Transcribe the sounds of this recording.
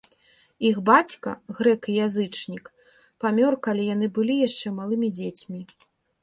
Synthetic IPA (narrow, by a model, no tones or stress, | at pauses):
ixbat͡sʲkɐ̰ɣɾɛkijazɨt͡ʂnʲik | pamʲɔrkalʲijan̪ɨbɨlʲijaʂt͡ʂɛmalˠɨmʲid͡zʲet͡sʲmʲi